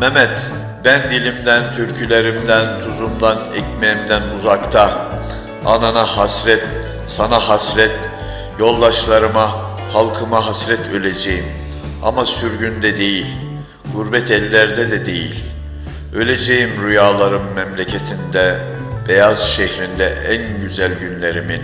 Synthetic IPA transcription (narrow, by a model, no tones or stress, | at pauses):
mɛmɛt̪ | bænd̪ilʲimd̪ænt̪ʰyɾcʰylʲeɾimd̪ænt̪ʰuzumd̪anɛcmemd̪ænuzakt̪ʰa | a̰nanahasɾɛt̪ | sanaɦasɾɛt̪ | jo̞lˠd̪aʃlˠaɾɯma | halˠkʰɯmaɦasɾɛt̪ʰø̞lʲed͡ʒejim | a̰masyɾɟynd̪ɛd̪e̞jilʲ | ɡ̥uɾbɛt̪ʰɛlʲːæɾd̪ɛd̪ɛd̪e̞jḭlʲ | ø̞lʲed͡ʒejimɾujaːlˠaɾɯmːɛmlʲecʰet̪ʰind̪ɛ | b̥ejaz̥ʃɛçɾind̪ɛænɟyzælʲɟynlʲeɾimin